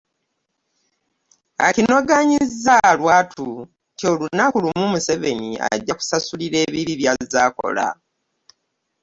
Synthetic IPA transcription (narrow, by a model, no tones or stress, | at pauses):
a̰cino̞ɡaɲizalwaːtʰu | to̞ːlunakulumumuse̞ve̞nia̰ɟːaku̥sasuliɾe̞ːβiβiβjazaːko̞̰la̰